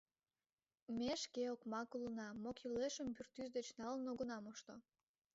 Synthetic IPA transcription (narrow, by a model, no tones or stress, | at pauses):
mʲeʃkeokmɑkulənɑmokileʃəmbyrt̪ːyzd̪et͡ɕnɑlənoɣonɑmoʃt̪o